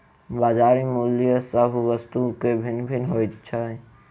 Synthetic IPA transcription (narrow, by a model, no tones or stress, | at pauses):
baːd͡ʒaːɾimulijəsəbʱʋəst̪ukebʱinbʱinɦojt̪t͡ʃʰae